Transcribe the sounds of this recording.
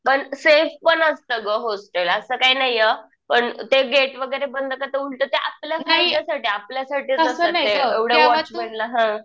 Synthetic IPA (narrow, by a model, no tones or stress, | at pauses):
pəɳsefpəɳəst̪əɡəɦosʈ̪eləsəːkaiːnajə | pəɳt̪eɡeʈʋəɡəjɾebənd̪ʱəkat̪əuɽt̪ət̪eʔa̰pljafajd̪jasaʈiːapljasaʈiːt͡səsəeeʋɽeʋɔt͡ɕmeɽləɦã